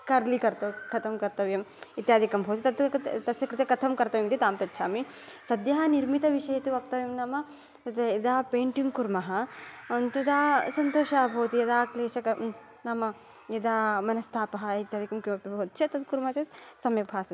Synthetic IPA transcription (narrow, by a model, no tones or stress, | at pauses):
kɐɾlikɐɾt̪ɐkɐt̪ʰɐmkɐɾt̪ɐʋjɐmit̪jaːd̪ʱikɐmbʱɐwt̪it̪ɐt̪t̪ɐsjɐkɾɪt̪jɐkɐt̪ʰɐmkɐɾt̪ɐʋjɐmt̪it̪aːmpɾɐt̪ːʃʰaːmi | sɐd̪jɐɦɐniɾmit̪ɐʋiʂɐjɐt̪iʋɐk̚t̪ɐʋjɐmnaːmɐ | t̪ɐt̪ɐid̪aːpeːɳʈjuŋkuɾmɐɦɐɐnt̪ɐd̪aːsɐnt̪oːʃaːbʱɐwt̪ijɐd̪aːkleːʃɐkɐ | namɐ | jɐd̪aːmɐnɐst̪ʰaːpɐɦɐit̪jaːd̪ʱikɐmkjumɐpibʱoːt̪t͡ʃʰɐt̪ɐt̪̚kuɾmɐt͡ʃɐt̪sɐmjɐbʱaːsɐ